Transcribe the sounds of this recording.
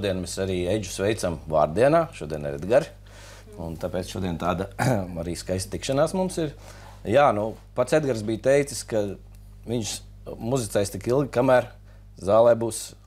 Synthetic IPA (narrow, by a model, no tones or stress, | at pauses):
d̪iɛnmesaɾiːejd͡ʒu̥sʋɛjt̪samva̰ːɾd̪iɛnaːʃuɔd̪iɛn̰ɾɛ̰d̪ɡaɾ | unt̪apeɛːt̪sʃuɔd̪iɛnt̪aːd̪aaɾiːskajst̪t̪ikʃanaːsmumsiɾ | jaːnu | pat̪sed̪ɡaɾsbiːjt̪ɛjt̪i̥ska | ʋiɲʃ | muzit̪sajst̪ikilˠɡʲkamæːɾ | zaːlˠɛːbuːs